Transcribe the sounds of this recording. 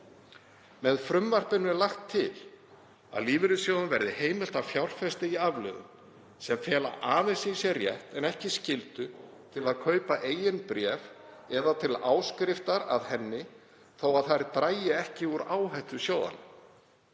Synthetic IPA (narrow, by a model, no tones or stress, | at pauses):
mɛðfɾʏmvar̥pɪnʏɛlaxt̪ʰːɪl | a̰ðliːvɪɾʏsjoːwðanvɛɾðɪheːjmɪl̥t̪avfjawl̥fɛst̪ɪiavlœ̰ðʏ̰m | sɛmfɛːla̰ʔaːvɪsɪsjɛrjɛ̰ht̪ɛnɛhcɪscɪlt̪ʏ | t̪ʰɪlaðkʰœːɥpaʔeːjɪnpɾɛːvɛðat̪ʰɪlaːwskɾɪft̪aɾa̰ðhɛnːɪ | θoːwaðθaɾɪt̪ɾaːjɪɛhcɪuɾaːwɦajht̪ʏsjoːwða̰nʏ